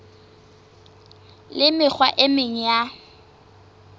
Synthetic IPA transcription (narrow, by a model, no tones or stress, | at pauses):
lɪmɪk͡xʰwaʔɪmɪɲ̩ja